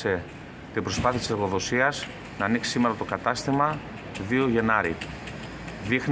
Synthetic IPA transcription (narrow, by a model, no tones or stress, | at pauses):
e̞ | t̪ibɾo̞spɐθiɐt̪ise̞ɾɣo̞ðo̞siɐz | nɐːniksi̥sime̞ɾɐt̪o̞kɐt̪ɐst̪imɐ | ðio̞ʝe̞nɐɾḭ | ðixn